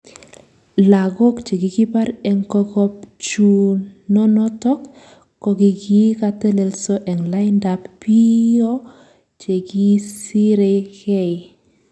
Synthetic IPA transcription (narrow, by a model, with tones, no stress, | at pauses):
la˨ɡɔ˦kt͡ʃe˨ɡi˨ɡi˦pa˦ɾɛ˨ŋkɔ˦kɔ˦p̚t͡ʃu˦nɔ˦nɔ˦tɔ˦kː | ɔ˨ɡi˨ɡi˦ka˦te˦le˨lso˦ʔɛ˨ŋla˦jnda˨pːi˦o˦ | t͡ʃe˨ɡi˦si˦ɾe˦ke˦˨i